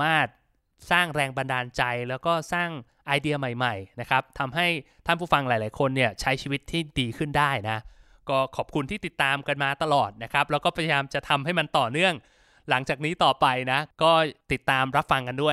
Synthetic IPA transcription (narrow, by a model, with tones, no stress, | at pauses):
maː˥˩t̪̚ | saː˥˩ŋɾɛː˧ŋba˧ndaː˧nt͡ɕa˧jlɛː˦˥wkɔː˥˩saː˥˩ŋ | ʔa˧jdi˧ɐma˨˩jma˨˩jna˦˥kʰa˦˥p̚t̪ʰa˧mɦa˥˩jt̪ʰa˥˩npʰuː˥˩fa˧ŋlaː˨˩˦jlaː˩˦jkʰo˧nːi˥˩ɐt͡ɕʰa˦˥jt͡ɕʰiː˧wi˦˥t̪ʰːiː˥˩diː˧kʰɯ˥˩ndaː˥˩jna˦˥ | kɔː˥˩kʰɔː˨˩p̚kʰu˧nt̪ʰiː˥˩i˨˩t̪ːaː˧mka˧nmaː˧t̪a˧lɔː˨˩t̪̚na˦˥kʰɾa˦˥p̚lɛː˦˥wkɔː˥˩pʰa˧ja˧jaː˧mt͡ɕa˨˩t̪ʰa˧mɦa˥˩jma˧nt̪ɔː˨˩nɯ˥˩əŋ | la˩˦ŋt͡ɕaː˨˩k̚niː˦˥t̪ɔː˨˩pa˧jna˦˥kɔː˥˩t̪i˨˩t̪ːaː˧mɾa˦˥p̚fa˧ŋka˧ndu˥˩əj